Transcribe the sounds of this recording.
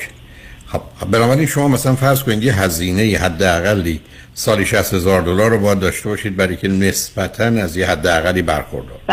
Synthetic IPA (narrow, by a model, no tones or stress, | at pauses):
xɒb̚benɒːbæɾinʃo̞mɒːmæsælænfæɾzkʰoniːd̪jeɦæziːne̞jihæd̪ːeæɣælːiː | sɒːliʃæst̪hezɒːɾd̪olɒːɾːobɒːjæd̪ːɒːʃt̪e̞bɒːʃiːd̪̚bæɾɒijcʰenesb̥æt̪ʰænæzjehæd̪ːeæɣælːiːbæ̰ɾxo̞̰ɾd̪ɒ̰ːɾ